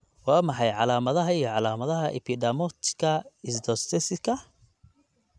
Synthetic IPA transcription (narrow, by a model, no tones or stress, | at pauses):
wɑːmɑħɑjʕɑlaːmɐðɐɦɐijɞʕɑlaːmɐðɐɦɐʔɛpʰɪdɐmɔt̪ʰɪ̥kʰɐɪsd̪ɔst̪ʰɛsɪkʰɐ